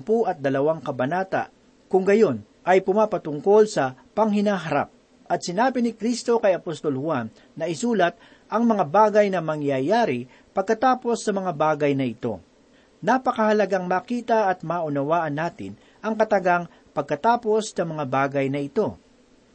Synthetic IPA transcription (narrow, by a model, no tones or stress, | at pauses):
puʔɐt̪̚d̪ɐlɐwaŋkɐbɐnaːt̪ɐ̰ | kʊŋɡɐjo̞n | ʔɐjpʊmaːpɐt̪ʊŋko̞lsɐpɐŋhɪnaːɦɐɾa̰p̚ | ʔɐt̪sɪnaːbɪnɪkɾist̪o̞kɐjɐpost̪o̞lhwanːɐɪsuːlɐt̪̚ | ʔɐŋmɐŋabaːɡɐjnɐmɐŋjaːjaːɾɪ | pɐɡ̚kɐt̪aːpo̞sːɐmɐŋabaːɡɐjnɐɪt̪o̞̰ | napɐkɐhɐlɐɡaŋmaːkiːt̪ɐʔɐt̪̚maːʔʊnɐwaːʔɐnːaːt̪ɪ̰n | ʔɐŋkɐt̪ɐɡaŋ | pɐɡ̚kɐt̪aːpo̞snɐmɐŋabaːɡɐjnɐɪt̪o̞